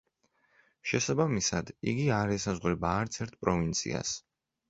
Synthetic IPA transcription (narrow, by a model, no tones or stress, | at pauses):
ʃɛsabamisad̪iɡiaɾɛsazʁɾɛbaːɾt̪sʰɛɾt̪̚ʰpʼɾɔvint̪sʰḭa̰s